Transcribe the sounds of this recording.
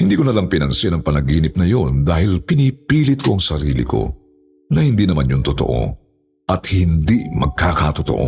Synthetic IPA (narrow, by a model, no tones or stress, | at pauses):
hɪnd̪iːkonɐlɐŋpɪnɐnsɪnɐŋpɐnɐɡiːnɪp̚nɐjo̞nd̪aːhɪlpɪnipiːlɪt̪̚ko̞ʔɐŋsɐɾiːlɪ̰ko̞̰ | nɐhiɪnd̪iːnɐmanjʊŋt̪ot̪o̞̰ʔo̞̰ | ʔɐt̪̚hɪnd̪imɐɡ̚kaːkɐt̪ot̪o̰ʔo̰